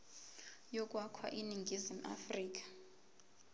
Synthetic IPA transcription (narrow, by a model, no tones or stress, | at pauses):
jɔk̬ʼwakʰwa̰ʔiniŋɡʱizim̩a̰friːk̬ḁ